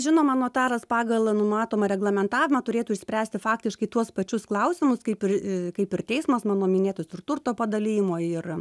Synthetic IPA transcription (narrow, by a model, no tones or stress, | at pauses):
ʒʲɪnoːmɑːnoːt̪ɑːɾɐspɑːɡɐlˠnʊmɑːt̪oːmɐɾʲɛɡlˠɐmʲɛnt̪ɑːʋʲɪmɐt̪ʊɾʲeːt̪uːɪʃʲsʲpʲɾʲæːsʲt̪ʲɪfɑːkt̪ʲɪʃkɐɪt̪uɔspɐt͡ʃʲʊsklˠɐʊsʲɪmʊskɐɪpɪrkɐɪpɪrt̪ʲɛɪsmɐsmɑːnoːmʲɪnʲeːt̪ʊsɪrt̪ʊrt̪oːpɐd̪ɐlʲiːjɪmoːɪr